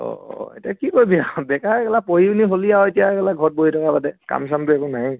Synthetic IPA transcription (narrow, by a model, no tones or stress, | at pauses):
ɔ̰ḛtiakikojbijabɛkakɛlapoɦiuniɦoliaoetijakɛlaɡʱɔt̚boɦitʰɔkapadɛka̰msamtʊɛkunaj